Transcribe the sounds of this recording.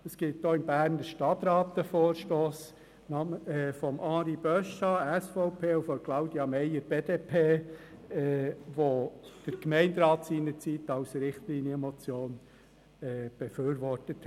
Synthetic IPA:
əsɡ̥ɪt̚d̥̪oːɪmbæːɾnəʃtɑt̪ɾɑːt̪əfoːɾʃtoːs | nɑfɔmʔɑːɾib̥œʃɑæsfɔʊpʰeːufɔmklɑʊd̥̪iɑmɛjəɾb̥eːd̥̪eːpʰeː | ɛʋod̥əɾkmɛɪnd̪ɾɑːt̪siːnəɾt͡sit̪ɑwsɾɪχtliːnjəmɔt͡sjoːn | ɛːb̥əføːɾʋɔrtət̪

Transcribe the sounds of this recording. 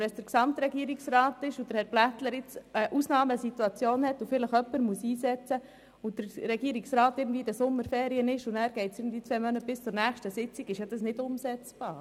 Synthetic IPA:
ɛsd̥əɾksɑmt̪ɾɛɡiəɾiksrɑːtɪʃʊd̪əɾhɛɾb̥læt̪ləɾɪt͡səʔusnɑːməsituɑt͡sjoːnhɛtʊfɪləχœpːəɾmuəsiːsɛt͡sə | ʊd̥əɾɾɛɡiːɾiksɾɑːt̪ɪɾɡn̩dviːədæsʊmːəɾfɛːɾiənɪʃʊnæːɾɡ̥ɛɪtsɪːɡn̩d̪iːt͡sʋɛmœnət̚b̥ɪst͡sʊɾnæːχʃtəsɪt͡siɡɪʃjɑd̥ɑsnɪdʊmsɛt͡sb̥ɑːɾ

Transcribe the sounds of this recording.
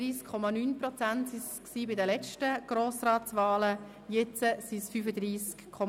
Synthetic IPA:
iːskʰːɔmɑnyːnpɾɔt͡sæntsisksiːbɪdəlɛt͡ʃtəɡ̥ɾoːsraːtt͡sʋaːlə | jet͡səsisfyfəd̪ɾiːskkʰːɔ

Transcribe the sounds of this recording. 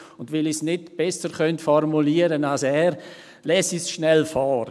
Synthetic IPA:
ʊndʋɪlisnɪdb̥ɛsəɾχœntfɔɾmuliːəɾənalsɛːɾ | lɛːsisʃnɛlfɔːɾ

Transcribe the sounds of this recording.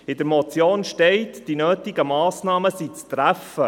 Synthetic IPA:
ɪd̥̪əɾmɔt͡sjoːnʃtɛɪtd̥inøːtɪɡəmɑːsnɑːməsit͡st̪ɾæfə

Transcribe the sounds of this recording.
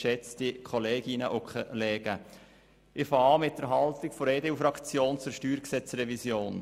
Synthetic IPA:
ʃɛt͡sdikʰoleːɡɪnəʔokʰlɛːɡ̥ə | ʔɪfɑːɑːmɪt̚dəɾɦɑltɪɡ̥fɔɾeːdeufɾɑkt͡sjoːnt͡sʊɾʃtyːɾksɛt͡sɾɛvisjoːn

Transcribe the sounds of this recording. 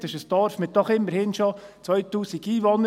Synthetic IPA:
tɪʃəsd̥̪ɑɾfmɪd̪ɔχɪmːəɾhɪnʃot͡sʋœjt̪uːsiɡ̥iːʋonə

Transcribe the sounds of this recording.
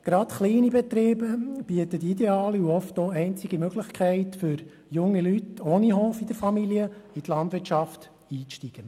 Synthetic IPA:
ɡ̥ɾɑt̪χliːnibɛt̪ɾeːbəb̥iət̪ətideɑːliuɔftoɛɪnt͡siɡ̥imøɡ̥lɪχkʰχɛɪtfʏɾ | jʊŋːilytoːniɦoːfid̥̪əɾfɑmiliəit̪lɑndʋɪtʃɑft | iːt͡sʃtiɡ̥ə

